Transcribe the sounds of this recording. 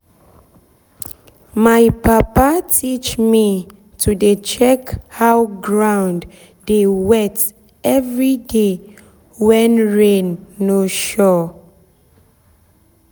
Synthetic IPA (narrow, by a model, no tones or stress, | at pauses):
majpapatʰit͡ʃmi | tʰudet͡ʃɛkhawɡɹãwnd | dewɛt | ɛvɹide | wɛ̃nɹẽnːoʃɔ